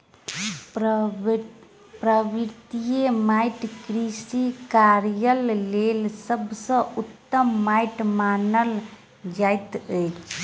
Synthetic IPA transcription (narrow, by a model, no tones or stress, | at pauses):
pɾəbiɾt̪ijemajʈkɾisikaɾjəllelsəbsə̃ut̪ːəmːajʈmanəl | d͡ʒajt̪əjt͡ʃʰ